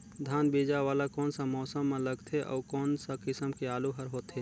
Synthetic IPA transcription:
d̪ʱaːnbeːd͡ʒaʋaːlakɔːnsamɔːsəmːẽləɡt̪ʰeʔɔ̰ːkɔːnsakɪsəmkeaːluɦəɾɦoːt̪ɦeː

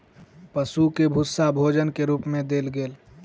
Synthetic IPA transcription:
pəsukebʱusːabʱod͡ʒənkeɾuːpmẽd̪eːlɡeːl

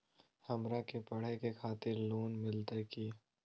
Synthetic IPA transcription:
hɐmɾakepɐɽ̤ekekʰaːt̪ɪɾloːnmɪlt̪ekiː

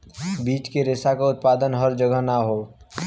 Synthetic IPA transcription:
biːt͡ʃkeɾeːsakaʊt̪̚paːd̪ənɦəɾd͡ʒəɡəɦnaɦoː

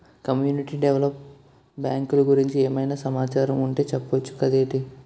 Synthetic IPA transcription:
kɐmjuːniʈiːɖeʋlɐp̚ | bjaːŋkuluɡuɾiɲt͡ʃieːmɐjnaːsɐmaːt͡ʃaːɾɐmuɳʈe̞ːt͡ʃɛpːɐʋɐt͡ʃːu̥kɐd̪eːʈ̪i

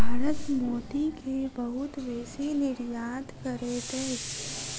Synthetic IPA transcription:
bʱaːɾət̪moːʈ̪ikebɐɦʊt̪ʋeːsinɪɾjaːt̪kɐɾet̪e

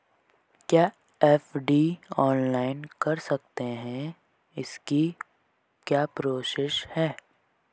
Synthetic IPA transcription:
kjaː | ɛːfɖiːɔːnlaːɪnkɐɾsɐk̚t̪eɦɛ̃ | ɪski | kjaːpɾoːʃɪʃhɛː

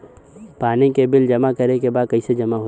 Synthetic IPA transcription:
paːnẽkebɪld͡ʒɐmakɐɾekebaːd̪̚kɐised͡ʒɐmaɦo

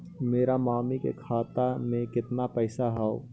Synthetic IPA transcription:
meːɾamaːmikḛkʰaːt̪amẽkɪt̪napɛːsaɦao̰ː

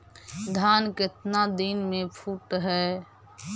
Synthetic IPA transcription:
d̪ʱaːnkɪt̪nad̪inmẽpʰuːʈɦɛː

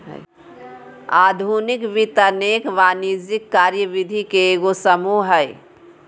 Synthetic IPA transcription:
aːd̪ʱunikʋit̪əneːkʋaːnid͡ʒikːaːɾjəʋid̪ʱikeɡosəmuɦəj

